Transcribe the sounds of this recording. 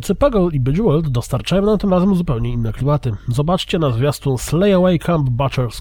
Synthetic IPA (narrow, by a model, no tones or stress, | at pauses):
t̪sɨpaɡɔlibɛd͡ʑuwɛld̪d̪ɔst̪aɾt͡ʂajɔw̃namt̪ɘmɾazɛmzupɛwɲɛinːɛklʲimat̪ɘzɔbat͡ʂt͡ɕɛnazvʲjast̪ũslɛjawɛjkʰambbat͡ʂɛɾs